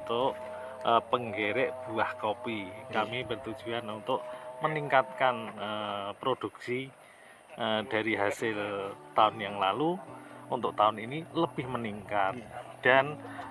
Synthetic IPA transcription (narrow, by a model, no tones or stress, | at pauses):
t̪ʊʔ | əpəŋɡeɾɛʔb̥uahkopikamibərt̪ud̥d͡ʒ̥uanunt̪ʊʔməniŋkat̪̚kanəpɾod̪̥ṳk̚si | ʔəd̥a̤ɾiɦasɪlt̪aʊnjaŋlaluunt̪ʊʔt̪aʊniniləb̥ɪhməniŋkat̪̚d̥a̤n